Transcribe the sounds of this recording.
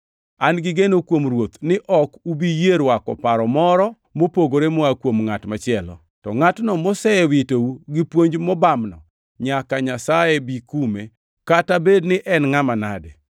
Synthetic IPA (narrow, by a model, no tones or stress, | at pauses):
anɡɪɡenokwomrwot̪nɪʔɔkubijeɾwakɔ̰paɾɔmɔɾɔ | mopoɡoɾemɔakwomŋatmat͡ʃɪɛlɔ̰ | tɔŋatnɔmɔsɛewitouɡɪpwoɲd͡ʒmɔbamnɔ̰ | ɲakaɲasajebikume | katabednɪʔɛnŋamanade